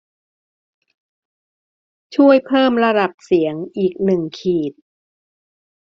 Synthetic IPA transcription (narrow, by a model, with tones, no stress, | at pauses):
t͡ɕʰu˥˩əjpʰɤː˥˩mɾa˧da˨˩p̚si˩˦əŋʔiː˨˩k̚nɯ˨˩ŋkʰiː˨˩t̪̚